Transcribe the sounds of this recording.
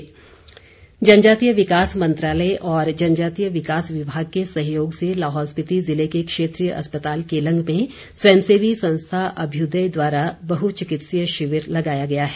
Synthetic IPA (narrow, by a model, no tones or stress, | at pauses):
d͡ʒɐnd͡ʒaːt̪ijəʋɪkaːsmɐ̃nt̪ɾaːləeʔɔːɾd͡ʒɐnd͡ʒaːt̪ijəʋɪkaːsʋɪbʱaːɡ̚kesɐ̃ɦjoːɡselaːɦɔːspɪt̪izɪlekekʃeːt̪ɾijəʔɐ̰spət̪aːlkelɐ̃ŋɡmẽ | swɛːmseːʋisɐ̃nst̪ʰaʔɐbʱjud̪əjd̪waːɾabɐɦut͡ʃɪkɪt̪sijəʃɪʋəɾlɐɡaːjaɡɐjaɦɛː